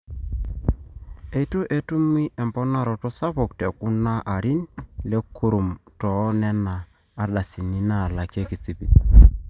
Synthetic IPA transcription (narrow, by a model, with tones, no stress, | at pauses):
e˨i˦tu˦ʔe˦tu˦m˦i˦ʔɛ˨mbɔ˦na˨ɾɔ˨tɔ˦sa˦βɔ˨k̚te˨ku˦na˦ʔa˨ɾi˦nle˦ku˦ɾu˨mtɔ˨˦nɛ˦naː˨˦ | ɗa˨si˨ni˦na˦˨la˨ke˦ki˨t͡si˨pi˨